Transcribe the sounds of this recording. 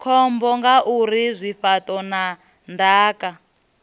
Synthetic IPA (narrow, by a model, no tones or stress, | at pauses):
kʰɔmbɔŋɡaʔuɾizʷiɸatɔna | ndaːka